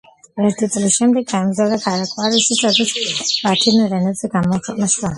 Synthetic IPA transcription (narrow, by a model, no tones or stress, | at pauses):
ɛɾt̪ʰit̪sʼlisʃɛmd̪ɛɡːaɛmzad̪aɡʰaɾakʼwaɾisisad̪asʰb̥at̪ʰiniɾɛnɛdz̥ɛɡamɔkʰɛqʼnaʃa